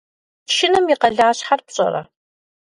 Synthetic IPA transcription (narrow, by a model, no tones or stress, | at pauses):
ʃɪnɨmjiqɐɮaːɕħarpɕʼɐ̰ɾɐ̰